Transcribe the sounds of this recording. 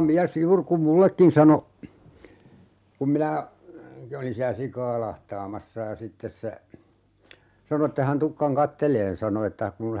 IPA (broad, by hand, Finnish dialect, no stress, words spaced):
miæs juːr kum mulːekːin sɑno kum minæ olin siæ sikɑː lɑhtɑːmɑsːɑ jɑ sitːes se sɑno etːe hæn tukːɑŋ kɑtːeleːn sɑno etːæ kun